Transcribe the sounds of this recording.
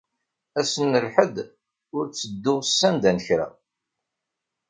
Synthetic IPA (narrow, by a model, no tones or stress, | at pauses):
æsənːəlħəd̪ | ʊɾt͡sːəd̪ːʊʁsːænd̪ænəçɾa̰